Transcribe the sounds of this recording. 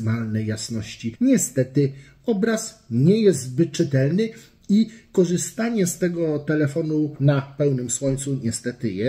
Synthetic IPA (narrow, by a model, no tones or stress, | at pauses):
malnɛjjasnɔɕt͡ɕiɲɛst̪ɛt̪ɘ | ɔbɾasɲɛjɛst̪bɘt͡ʂːɘt̪ɛlnɘ | ikɔʐɘst̪aɲɛst̪ɛɡɔt̪ɛlɛfɔnunapɛwnɘmswɔɲt̪suɲɛst̪ɛt̪ɘjɛ